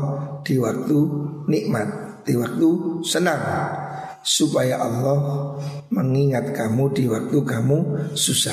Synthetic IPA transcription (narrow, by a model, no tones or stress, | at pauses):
d̪̥i̤wak̚t̪uniʔmat̪̚d̪̥iwak̚t̪usənaŋ | supajaʔɑlːɔhməŋiŋat̪̚kamud̪̥iwak̚t̪ukamususa